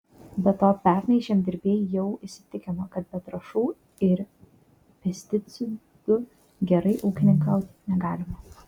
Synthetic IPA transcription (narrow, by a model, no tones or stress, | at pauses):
bʲɛt̪oːpʲæˑɾʲnʲɛɪʃʲeːmd̪ʲɪɾʲbʲeːjjɛʊɪʃsʲɪ̥t̪ʲɪkʲɪmɐkɐt̪̚bʲɛt̪ɾɐʃuː | ɪɾ | pʲɛsʲt̪ʲɪt̪sʲɪ | d̪ʊ | ɡʲɛɾɐɪʔuːkʲɪnʲɪŋkɐʊt̪ʲnʲɛɡɑːlʲɪmɐ